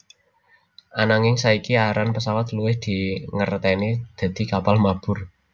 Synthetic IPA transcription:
ʔanaŋɪŋsaikiaɾanpəsawat̪luwɪhd̪̥i̤ŋərt̪ɛnid̪̥a̤d̪̥i̤kapalmab̥ʊ̤r

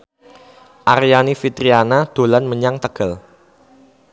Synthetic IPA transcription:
ʔaɾijanifit̪ɾianad̪̥o̤lanməɲaŋt̪əɡ̥əl

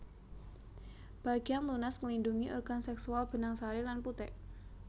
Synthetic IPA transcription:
b̥a̤ɡ̥ijaŋlunasŋəlinduŋiʔɔrɡ̥ansɛksualb̥ə̤naŋsaɾelanput̪ɛʔ

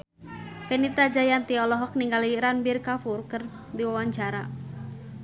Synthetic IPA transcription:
fɛnit̪ad͡ʒajant̪iɔlɔɦɔk̚niŋɡaliɾanbirkafurkɨr | diwawaɲt͡ʃaɾa̰

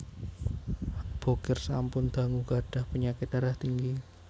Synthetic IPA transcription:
b̥okɪrsa̰mpʊnd̪̥a̤ŋuɡaɖ̥a̤hpəɲakɪt̪̚daɾaht̪iŋɡi

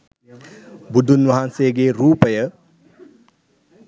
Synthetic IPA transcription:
budunwɐɦanseːɡeːɾuːpɐjə

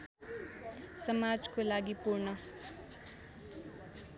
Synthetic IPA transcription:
sʌmad͡zkolaɡipuɾnʌ

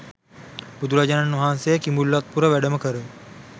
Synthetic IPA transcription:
bud̪uɾad͡ʒananːʋɐɦaːnsejəkimulːat̪̚puɾəʋæɖəməkəɾə

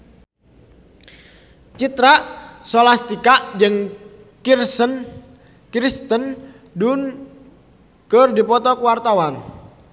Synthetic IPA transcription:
t͡ʃit̪ɾaʔsɔlast̪ikaʔd͡ʒɨŋ | kirsən | kɾist̪ən | dun | kərdipɔt̪ɔkəwart̪awan

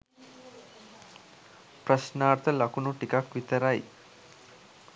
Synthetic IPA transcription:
prəʃnaːɾt̪əlɐkunuʈikakʋit̪əɾaj

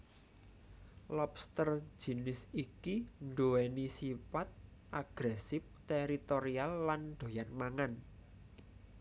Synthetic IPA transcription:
lɔpst̪ərd͡ʒ̥i̤nɪsikiɳɖoɛnisipat̪̚ʔaɡ̥ɾɛsɪf̚t̪eɾit̪oɾialːanɖ̪̥o̤janmaŋan

